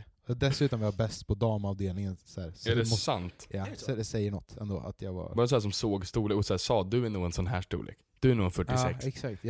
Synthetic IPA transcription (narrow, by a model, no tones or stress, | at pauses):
ɔd̪ɛsʉ̟ːt̪ɔnvɪhaɾbɛst̪pʰɔd̪ɑːmɑvd̪eːlnɪŋənsæːɾsɛɛsant̪jad̪ɛsɛjːəɳɔt̪ːɛnd̪o̰ːʔa̰t̪ʰjɑɡva̰ɾɑːɾs̬ɔæːs̬ɔmsoːɡst̪uːleːkɔsæːsɑːd̪ɵæɳuːɛnsɔnɦæːʂʈṵːlʔḛːkd̪̥ɵæɳuːɛnfœʈːɪːɛkɛksakt̪jɑ